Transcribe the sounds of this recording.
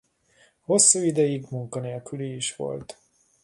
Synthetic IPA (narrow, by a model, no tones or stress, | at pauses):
ho̞sːuːid̪ɛjiɡmuŋkɒneːlkyliːʃʋo̞̰lt̪